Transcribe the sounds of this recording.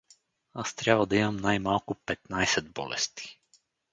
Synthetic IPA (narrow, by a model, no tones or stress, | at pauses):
ast̪ɾʲaʋɔd̪iamnajmalˠkupɛt̪najsɛd̪bɔ̰lɛ̰st̪i̥